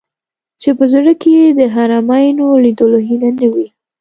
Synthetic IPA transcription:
t͡ʃepəzəɽəkejed̪əɦaɾɑmɑjnolid̪əloɦinanəwi

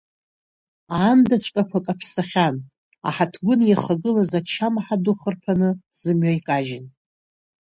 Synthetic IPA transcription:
aːmdat͡ɕʷʰʼkʼakʷʰakʼapʰsaχʲan | a̰ħatʰɡʷʊnjaχaɡɨlazat͡ʃʰamaħaduχərpʰanɨz̥ɨmɥajkʼaʒɪn

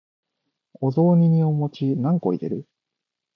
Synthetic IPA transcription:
o̞zo̞ːɲ̟iɲ̟io̞mo̞t͡ɕinãŋko̞̰iɾe̞̰ɾɯ̟

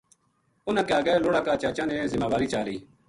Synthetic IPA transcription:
ʊnãːkaːɡɛːloːɽaːkaːt͡ʃaːt͡ʃãːnẽːzɪmaːʋaːɾiːt͡ʃaːɾiː

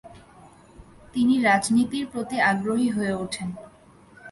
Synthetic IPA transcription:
t̪iniɾad͡ʑnit̪iɾpɾot̪iaɡɾoɦiɦoeuʈʰen

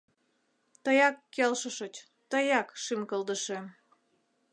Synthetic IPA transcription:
t̪əjɑkːelʃəʃət͡ɕ | t̪əjɑkʃimkəlˠd̪əʃe

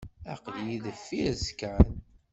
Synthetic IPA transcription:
æ̰qljiðəfːiɾzə̥kːʕən

